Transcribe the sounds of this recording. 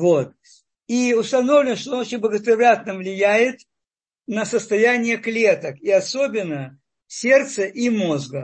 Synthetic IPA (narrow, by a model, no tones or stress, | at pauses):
vot̪̚ | iʊst̪ɐnovlʲɪnʂt̪onot͡ɕɪnʲbˠəɡət̪ɾʲɪvʲlʲat̪nəvlʲɪjæjɪt̪ | nəsəst̪ɐjænʲɪjəklʲet̪əkiɐsobʲɪnːə | sʲe̞rt̪səʔimo̞zɡə